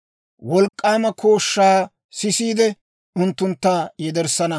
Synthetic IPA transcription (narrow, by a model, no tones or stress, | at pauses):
wɔlkʼːaːmɐkʰoːʃːaː | sɪsiːd̪ɛ | ʊnt̪ːʊnt̪ːaːjɛd̪ɛɾsɐnɐ